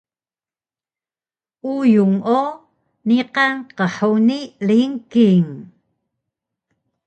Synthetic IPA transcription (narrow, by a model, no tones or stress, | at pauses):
ʔujuŋo | niqanqəħuniliŋkiŋ